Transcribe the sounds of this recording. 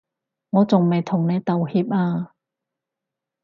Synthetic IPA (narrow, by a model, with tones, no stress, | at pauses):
ŋɔː˨˧t͡sʊ˨ŋma˨˩jt̪ʰʊ˨˩ŋna˧jt̪a˧whi˧˥p̚ʔaː˧